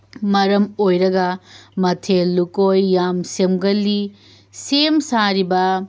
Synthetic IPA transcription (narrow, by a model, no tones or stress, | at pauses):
mɐɾɐmojɾɐɡɐmɐtʰelːukojːamsemɡɐlːi | semsaɾibɐ